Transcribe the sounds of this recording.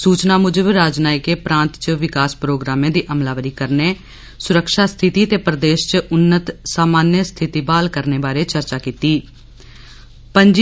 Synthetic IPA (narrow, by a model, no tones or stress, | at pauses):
suːt͡ʃnaːmʊd͡ʒəbɾaːd͡ʒnaːɪkeːpɾãːnt̪t͡ʃʋɪkaːspɾoːɡɾaːmẽːd̪iːʔəmlaːʋəɾiːkəɾneː | sʊɾəkʃaːst̪ʰɪt̪iːət̪eːpɾəd̪eːʃt͡ʃʔʊnːət̪saːmaːnjəst̪ʰɪt̪iːbaːlkəɾneːbaːɾeːt͡ʃəɾt͡ʃaːkiːt̪iː | pəɲd͡ʒ